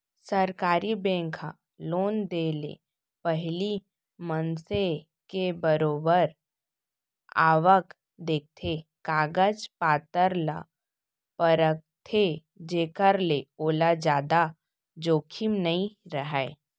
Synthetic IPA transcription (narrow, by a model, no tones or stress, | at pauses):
səɾkaːɾibẽːŋkʰa̰ | loːnd̪eːlḛ | pəɦli | mənse | kebəɾoːbəɾ | a̰ːʋək | d̪eːk̚t̪ʰekaːɡəd͡ʒpaːt̪əɾla̰ | pəɾək̚t̪ʰe | d͡ʒeːkəɾleoːlad͡ʒaːd̪a | d͡ʒoːkʰimnəĩɾəɦae